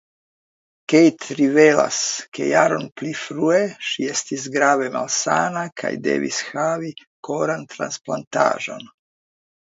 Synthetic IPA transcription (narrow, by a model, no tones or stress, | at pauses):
kejt̪ɾiʋela̰skḛjaɾonplifɾueʃjest̪izɡɾaːʋema̰lsaːnakʰa̰jd̪ḛʋḭsxaːʋi | koɾant̪ɾa̰nsplˠant̪a̰ːʒo̰n